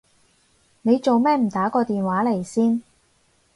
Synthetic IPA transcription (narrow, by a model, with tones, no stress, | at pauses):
ne˨˧jt͡so˨wmɛː˥m̩˨˩t̪aː˨˥kɔː˧t̪iː˨nwaː˨˥le˨˩jsiː˥n